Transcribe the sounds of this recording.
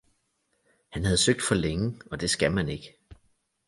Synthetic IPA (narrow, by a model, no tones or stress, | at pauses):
hænhæð̞̩ˠsøɡ̥̚d̥fɒ̽leŋəɒ̽d̥e̝sɡ̥ælmæne̝ɡ̥ə